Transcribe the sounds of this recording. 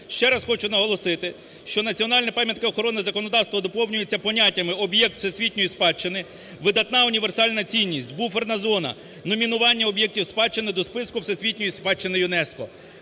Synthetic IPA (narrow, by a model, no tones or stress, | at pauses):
ʃt͡ʃɛɾɐsxɔt͡ʃʊnɐɦɔlˠɔsɪt̪ɪ | ʃt͡ʃɔnɐt͡sʲiɔn̪ɑlʲnɛpɑmʲjɐt̪̚kɪɔxɔɾɔnɪzɐkɔnɔd̪ɑwst̪ʋɐd̪ɔpɔwnʲʊjet͡sʲːɐpɔnʲatʲːɐmɪɔbjɛk̚t̪w̥sesʲʋʲitʲnʲɔjispɑt͡ʃːenɪ | ʋɪd̪ɐt̪nɑʊnʲiʋe̞rsɑlʲnɐt͡sʲinʲːisʲtʲbufernɐzɔnɐ̰ | nɔmʲinʊʋɑnʲːɐɔbjɛk̚tʲiwspɑt͡ʃːenɪd̪ɔspɪskʊwsesʲʋʲitʲnʲɔjispɑt͡ʃːenɪjʊnɛskɔ